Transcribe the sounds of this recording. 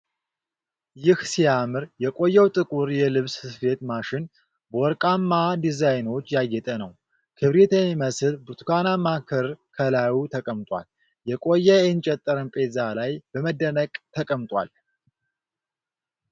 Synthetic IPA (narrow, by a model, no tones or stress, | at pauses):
jɪhsijamɨɾjɛkʼo̞jːɛwt̪ʼɨkʼuɾjɛlɨβssɨfe̞t̪maʃɪn | bəwɔɾkʼamːad̪izajno̞t͡ʃːjajːɛt̪ʼənəw | kʰɨβɾet̪ʰəwiməsɨlbuɾt̪ʰkʰanamakʰɨɾkʰəlajwut̪ʰəkʼəmt̪ʼwʷa̰l | jɛkʼo̞jːɛɛnt͡ʃʼɛt̪ʼːəɾɨnpʼezalajbəməd̪ːənəkʼt̪ʰəkʼəmt̪ʼwʷa̰l